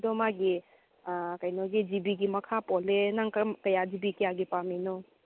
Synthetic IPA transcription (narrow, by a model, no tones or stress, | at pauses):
dɔmaɡi | kajnɔɡid͡ʒibiɡimɐkʰapɔlenaŋkɐmkɐjad͡ʒibikijaɡipaminɔ